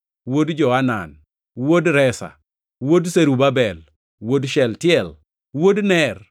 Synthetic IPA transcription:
wodd͡ʒɔana̰n | wodɾɛsa̰ | wodseɾubabɛl | wodʃɛltɪjɛl | wodnɛr

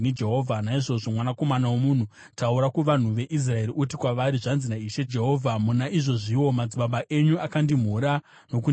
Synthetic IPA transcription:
ned͡ʒeɦo̞ːvʱanaiʐo̞ʐo̞mwanako̞manawomun̤u | tauɾakuʋan̤uʋe̞ʔis̬rae̞ɾiʔut̬ikwaʋaɾiʐanzinaiʃe̞d͡ʒeɦo̞ːvʱamunaʔiʐo̞ʐiwo̞mad͡ziɓabaʔe̞ɲuakandim̤uɾa | no̞k̬u

